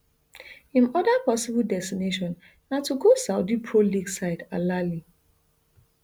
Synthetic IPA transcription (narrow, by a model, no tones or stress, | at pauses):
ĩnɔdapɔsibldɛstineʃɔ̃nː | atuɡosaʊdipʰɹoliɡsaɪdalali